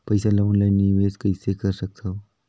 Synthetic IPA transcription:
pəjsalamuɳlajnːiʋeskaiːsekəɾɕək̚t̪ʰa

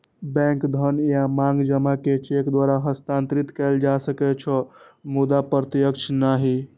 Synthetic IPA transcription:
bɛ̃ŋkd̪ʱənjamãŋɡd͡ʒəmaket͡ʃekd̪waɾaɦəst̪ãnt̪ɾit̪kɛːld͡ʒasəkɛt͡ʃʰəmud̪apɾət̪jəkt͡ʃʰnaɦi

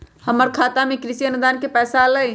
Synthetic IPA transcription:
həməɾkʰat̪amekɾisiənud̪ankepɛːsalə

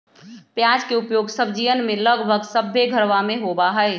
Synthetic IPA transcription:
pjãːd͡ʒkeʊpjoːɡsəbd͡ʒiʋənmẽləɡbʱəɡsəbʱːeɡʱəɾʋamẽɦobaɦɛe

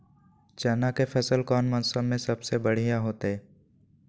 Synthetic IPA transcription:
t͡ʃɛːnakefʰɛsəlkɔːnmə̃nsəmẽsɐbsebəɽ̤ijaɦoːt̪eː

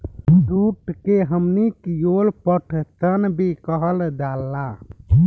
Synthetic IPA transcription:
ɖuʈkeɦəmnikijolpəʈʰt̪ənbekəɦəld̪alːa

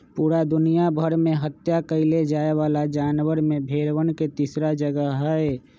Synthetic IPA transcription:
puːɾad̪ʊnijabʱəɾmẽɦət̪jakəɪled͡ʒaːeʋaːlad͡ʒaːnwəɾmẽbʱeːɾwənket̪iːsɾad͡ʒəɡəɦɦɛe

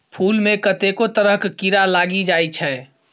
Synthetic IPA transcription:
pʰuːlmẽkət̪ekot̪əɾəɦkkiɾalaɡid͡ʒajt͡ʃʰɛ

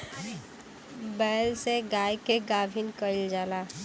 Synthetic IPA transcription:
bɛːlseɡaːjkeɡaːbʱinkəild͡ʒaːlaː

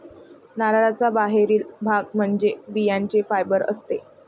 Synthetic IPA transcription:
naɾaɾat͡sabaɦeɾiːlbʱaɡm̤əɳd͡zebijaɲt͡ɕefajbəɾə̰st̪e

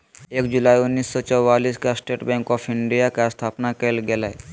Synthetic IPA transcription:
eːkd͡ʒʊlaːiʊnːiːsːɔt͡ʃəwːaːliːskasʈeːʈbɛ̃ːŋkɔːpʰɪɳɖijakest̪ʰaːpnakelɡelae

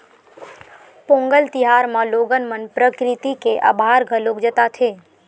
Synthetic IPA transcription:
põŋɡəlt̪iɦaɾmãloɡənmənpɾəkɾit̪ikeʔə̰bʱaɾɡʱəlokd͡ʒət̪at̪ʰe

